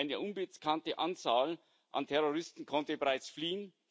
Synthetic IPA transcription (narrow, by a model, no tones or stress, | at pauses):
ɪnəʔʊnbɪkʰantəʔant͡saːl | ʔa̰ntʰɛʁoʁɪstn̩kʰɔntəbeʁaɪt͡sfliːən